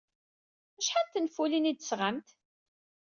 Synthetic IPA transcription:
æʃħat̪ːənfulinid̪ə̥sʁəmt̪

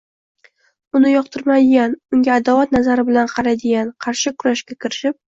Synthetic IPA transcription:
ʊnɪjɒq̚t̪ʰɪɾmad̪ɪɡʲanʊŋɡʲaːd̪avat̪̚nazaɾɪbɪlanqʰɑɾad̪ɪɡʲanqʰɑɾʃɪkʰʊɾaʃkʲakʲɪɾɪʃɪp̚

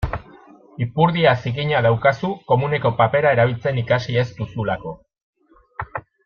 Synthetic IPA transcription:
ipuɾðiasiɣiɲaðawkasuko̞mune̞ko̞pape̞ɾae̞ɾaβ̞ilt͡se̞nikasie̞zt̪usulako̞

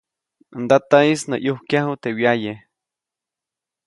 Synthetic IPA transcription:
nd̪at̪aisno̰ʔjuhkjaɦut̪ewjaje

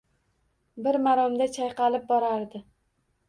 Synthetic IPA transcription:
bɪɾmaɾɒmd̪at͡ʃʰajqɑlɪp̚bɒɾaɾd̪ɪ

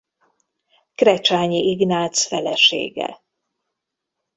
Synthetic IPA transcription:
krɛt͡ʃaːɲiiɡnaːt̪sfɛlɛʃḛːɡɛ̰

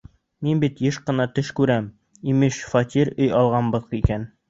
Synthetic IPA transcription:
minbit̪jɘʃqɤ̆nɑt̪ɵʃkʉɾæm | imɘʃfɑt̪ʲiɾɵjɑlˠʁɑnbɤ̆ðqikæn

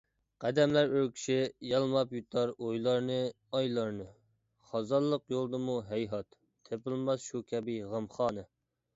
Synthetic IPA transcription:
qʰæd̪ɛmlæɾøɾkʲʰi̥ʃɪjɑlˠmɑpjut̪ʰɑɾojlˠɑɾnɨ | ɑjlˠɑɾnɨ | χɑzɑlˠːəqjolˠd̪ɨmuɦɛjɦɑt̪ʰː | epɪlˠmɑzʃukʲʰɛbiʁəmχɑːnɨ

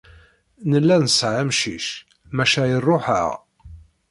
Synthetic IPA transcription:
nəlːænəsʕamʃiʃ | mæʃæjərˤːoħə̰ʁ

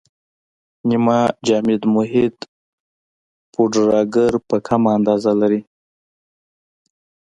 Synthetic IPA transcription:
nimɑd͡ʒɑmɪd̪mʊɦɪd̪ | pʰoɖɾɑɡəɾpəkʰamaːnd̪ɑzalaɾi

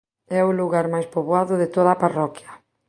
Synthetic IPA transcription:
ɛʊluɣaɾmajspoβwaðʊðɪt̪oðaparɔkjɐ

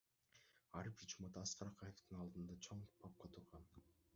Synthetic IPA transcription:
ɑɾɯpit͡ʃumɑd̪ɑːsqɑɾɑqʰɑjeft̪ɯnɑlˠd̪ɯnd̪ɑt͡ʃʰoɴpʰɑp̚qɑt̪ʰuɾʁɑn

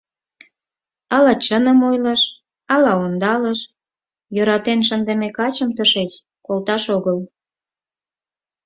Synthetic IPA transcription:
ɑlɑt͡ɕənəmojləʃ | ɑlɑond̪ɑləʃ | jøɾɑt̪enʃənd̪emekɑt͡ɕəmt̪əʃet͡ɕ | kolt̪ɑʃoɣəl

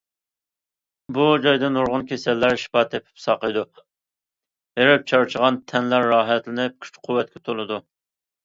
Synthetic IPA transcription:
bud͡ʒɑjd̪ɪnoɾʁʊnkʲʰesɛlːæɾʃi̥pɑːt̪ʰepʰɪ̥psɑqəjd̪u | eɾɪp̚t͡ʃʰɑɾt͡ʃʰəʁɑnt̪ʰɛnlæɾːɑːɦɛt̪lɪnɪp̚kʲʰy̥t͡ʃqʰuwːɛt̪̚kʲɛt̪ʰolˠɨd̪u

